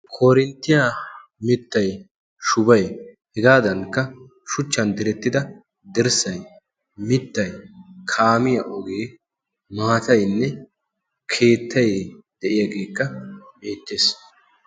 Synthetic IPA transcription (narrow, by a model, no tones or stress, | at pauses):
kʰoːɾɪnt̪ːɪjaː | mɪt̪ːɐj | ʃʊbɐjhɛɡaːd̪ɐŋkːɐ | ʃʊt͡ʃːɐnd̪ɪɾɛt̪ːɪd̪ɐ | d̪ɛɾsɐj | mɪt̪ːɐjkʰaːmɪjɐʔɔɡeː | maːt̪ɐjnːɛ | kʰe̞ːt̪ʰːɐjd̪̥ɛʔɪjaɡe̞ːkːɐbe̞ːt̪ːeːs